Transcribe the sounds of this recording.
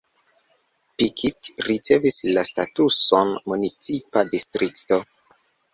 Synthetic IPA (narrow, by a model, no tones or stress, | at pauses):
pikʰitɾit͡se̞vislastatuso̞nmunit͡sipadistɾikto̞